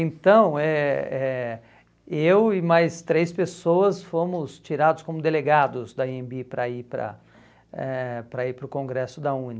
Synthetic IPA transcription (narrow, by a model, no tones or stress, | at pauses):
ẽnt̪ɐ̃w̃ɛɛ | ewɪmajst̪ɾejspesoɐsfõmʊst͡ʃiɾad̪ʊskõmʊd̪eleɡad̪ʊzd̪ɐiẽmbipɾɐipɾɐ̰ | ɛpɾɐiɾpɾʊkõɡɾɛsʊd̪ɐũnɐ